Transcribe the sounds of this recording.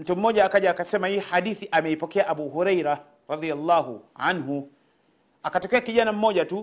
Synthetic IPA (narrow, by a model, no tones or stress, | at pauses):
m̩tum̩mɔʄaːkaʄaːkasɛmahihaɗiθiʔamɛipɔkɛaʔaɓuːɦuɾɛjɾa | ɾɑðialːahuʕanɦu | akatɔkɛakiʄanam̩mɔʄatu